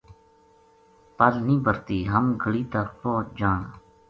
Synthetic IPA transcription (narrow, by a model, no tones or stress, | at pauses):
pəlnĩːbəɾt̪iːɦəmɡʱəɽiːt̪əɾpoːd͡ʒaːɳ